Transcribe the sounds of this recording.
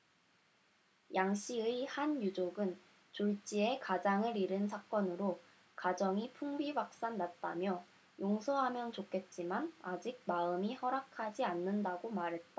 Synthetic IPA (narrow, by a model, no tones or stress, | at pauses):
jaŋɕ͈iɯihanjud͡ʑoɡɯn | t͡ɕuɭt͡ɕ͈ie̞kad͡ʑaŋɯɾiɾɯnsʰak͈ʌnɯɾo | kad͡ʑʌŋipʰuŋbiwak̚s͈annːat̚t͈a̰mjʌ | joŋsʰoɦamjʌnt͡ɕokʰe̞t̚t͡ɕ͈imanad͡ʑik̚maɯmihʌɾakʰad͡ʑianːɯndaɡomaɾɦe̞t̚t͈a